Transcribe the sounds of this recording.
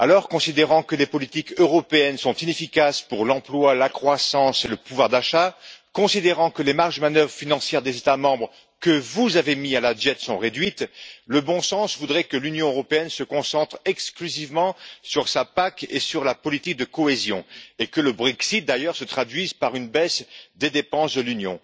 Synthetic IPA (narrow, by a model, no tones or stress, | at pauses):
a̰lɔʁkɔ̃sid̪eʁɑ̃kəlepɔlit̪ikøʁɔpeɛnsɔ̃t̪inefikaspuʁlɑ̃plwalakχwasɑ̃seləpuvwaʁd̪aʃakɔ̃sid̪eʁɑ̃kəlemaʁʒmanœvʁəfinɑ̃sjɛʁd̪ezet̪amɑ̃bʁ | kəvuzavemialad̪ɛt̪sɔ̃ʁed̪ɥit̪ləbɔ̃sɑ̃svud̪ʁɛkəlynjɔ̃øʁɔpeɛnsəkɔ̃sɑ̃t̪χɛksklyzivmɑ̃syʁsapakḛsyʁlapɔlit̪ik̚d̪əkɔezjɔ̰̃ekələbʁɛksit̪̚d̪ajœʁsət̪χad̪ɥizpaʁynbɛsd̪ed̪epɑ̃sd̪əlynjɔ̰̃